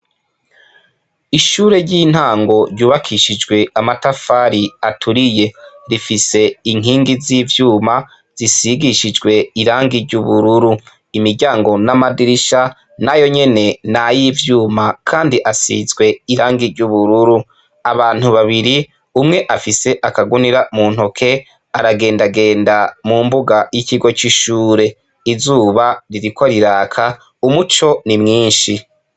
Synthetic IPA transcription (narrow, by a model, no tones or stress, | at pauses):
iʃuːɾe̞ɾɟiːn̥haːŋɡo̞ɾɟuːβakʰiʃid͡ʒɡwe̞amatafaːɾiatʰuɾije̞ɾifise̞iŋ̥iːŋɡiziːvjuːma | z̥isiɡiʃid͡ʒɡwe̞iɾaːŋɡiɾɟuβuɾuɾu | imiɾɟaːŋɡo̞namadiɾiʃa | najo̞ɲe̞ne̞najiːvjuːmakʰaːndiʔasḭzɡwe̞iɾaːŋɡiɾɟuβuɾuɾu | aβaːn̥uβaβiɾi | umŋe̞ʔafise̞ʔakaɡuniɾamuːn̥o̞kʰe̞ | aɾaɡe̞ːndaɡe̞ːndamuːmbuɡajiciɡo̞t͡ʃiʃuːɾe̞ | izuːβaɾiɾikoɾiɾaːkʰa | umut͡ʃo̞nimŋiːnʃi